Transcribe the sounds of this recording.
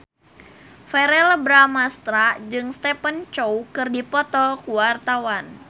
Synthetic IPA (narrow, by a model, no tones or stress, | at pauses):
fɛɾɛləbɾamast̪ɾad͡ʒɨŋst̪ɛpənt͡ʃoukɨrdipɔt̪ɔkuwart̪awan